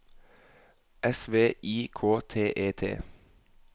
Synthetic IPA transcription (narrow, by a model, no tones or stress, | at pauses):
ʔɛsʋeːʔiːkʰoːt̪ʰeːʔeːt̪ʰḛː